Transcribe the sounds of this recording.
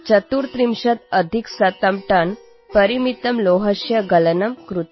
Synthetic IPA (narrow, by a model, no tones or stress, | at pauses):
t͡ɕət̪uːɾt̪ɾimɕət̪əd̪ʱiksat̪amʈan | pəɾimit̪əmloɦəɕjəɡələnəmkɾut̪